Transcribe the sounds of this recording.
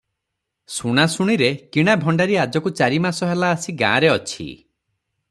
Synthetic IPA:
suɽ̃asuɽ̃iɾekiɽ̃abʱɔɳɖaɾiad͡ʒɔkut͡ʃaɾimasɔɦelaːsiɡã̰ːɾeɔt͡ʃʰḭ

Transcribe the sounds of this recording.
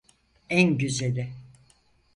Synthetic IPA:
ænɟyzelʲɪ

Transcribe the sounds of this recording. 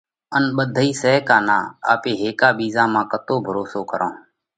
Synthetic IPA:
ənɓəd̪ʱəiːsɛːkaːnãːa̰ːpeːɦeːkaːɓiːzãːmãːkət̪oːbʱəɾoːsoːkəɾʔã̰ː

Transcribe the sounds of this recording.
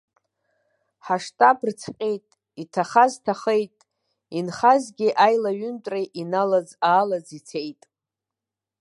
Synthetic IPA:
ħaʂtʼabrt͡sʰqʲʼejtʼ | itʰaχaztʰaχejtʼ | inχazɡʲɪʔajlaɥʏntʷʼrejʔinalad͡zaːlad͡zit͡sʰe̞jtʼ

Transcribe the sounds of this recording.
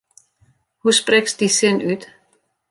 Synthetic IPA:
huspɾɛɡ̥sd̥̪isenʉːd̪̥

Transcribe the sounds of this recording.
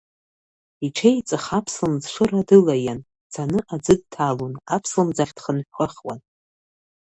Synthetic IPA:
iʈ͡ʂʰejt͡sʼɨχapʰslɨmd͡zʂʷɨradɨlajan | d͡zʰanɨʔad͡zɨd̚tʰalunapʰslɨmd͡zaχʲd̥χənħʷᶣqʷəχʲwan

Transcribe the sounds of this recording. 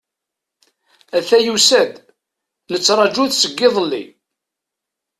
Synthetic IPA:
æθæjusæd̪ | lət͡sːɾˤɑd͡ʒuθsəɡːɪðˤəlːḭ

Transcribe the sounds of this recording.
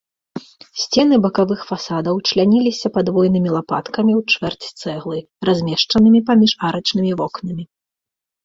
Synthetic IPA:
sʲt͡sʲɛn̪ɨbɐkavɨxfasad̪ɐwt͡ʂlʲanʲilʲisʲɐpad̪vɔjn̪ɨmʲilˠapa̰t̪kɐmʲiwt͡ʂvɛrt͡sʲt̪sɛɣlˠɨ | razʲmʲɛʂt͡ʂɐnɨmʲipamʲiʂaɾɐt͡ʂnɨmʲivɔknɐmʲi

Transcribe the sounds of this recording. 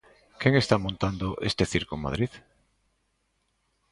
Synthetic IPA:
keŋest̪amõnt̪and̪oʔḛst̪eθiɾkoma̰ð̞ɾið

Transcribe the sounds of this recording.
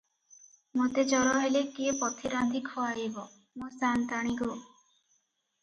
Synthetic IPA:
mot̪ed͡ʒɔɾɔɦelekiepɔt̪ʰiɾad̪ʱikʰɔaɦibɔ | mosant̪aɽ̃iɡo

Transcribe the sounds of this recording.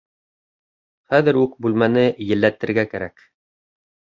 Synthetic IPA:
χæðɘɾʉkbʉlmænɘjɘ̆lːæt̪ɘ̆ɾɡækæɾæk

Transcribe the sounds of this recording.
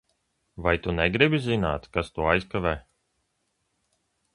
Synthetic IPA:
vajt̪unɛɡɾibizina̰ːt̪kast̪uɔajskavɛː

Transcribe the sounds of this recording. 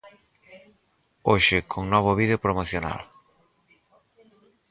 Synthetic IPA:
oʃɪkʰoŋnɔβ̞ʊβiðeopɾomoθjona̰l

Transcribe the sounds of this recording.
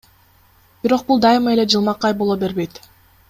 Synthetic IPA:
b̥iɾo̞q̚bulˠd̪ɑjɨmɑe̞le̞d͡ʒɯlˠmɑqɑjbo̞lˠobe̞ɾbe̞jt̪

